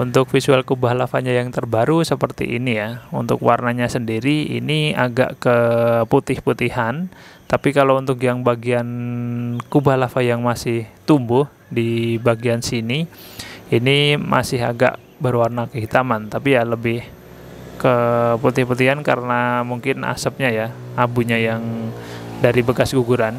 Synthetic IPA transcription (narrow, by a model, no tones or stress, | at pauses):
unt̪ʊkfisualkubahlafaɲajaŋt̪ərbaɾusəpərt̪ḭʔḭnijaṵnt̪ʊ̰kwa̰rnaɲasəndiɾiḭniaɡa̰ʔkəput̪ɪhput̪ihant̪apikalaunt̪ʊk̬̚jaŋbaɡian | kubahlafajaŋmasɪht̪umbʊh | dibaɡiansini | inimʔa̰sɪɦa̰ɡa̰ʔ | bərwarnakəɦit̪amant̪apijaləbɪh | kəput̪ɪhput̪iɦankaɾənamuŋkɪna̰səp̚ɲajaabuɲajaŋ | daɾibəkasɡuɡuɾan